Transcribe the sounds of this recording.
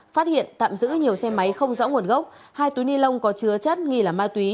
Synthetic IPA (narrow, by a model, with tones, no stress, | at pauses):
faː˦˥t̚hḭ˧˨ənt̪a̰ː˧˨mzɨ̰˧˥ɲi˨˩əwsɛ˧ma˨˦jxə˧wŋ͡mzə̰ː˧˥wŋu˨˩ənɣə˦˥wk͡p̚ | haː˧jt̪u˨˦jni˧nlə˧wŋ͡mkɔ˨˦t͡ɕɨ˨˦ət͡ɕə˦˥t̚ŋi˧laː˨˩maː˧t̪wi˨˦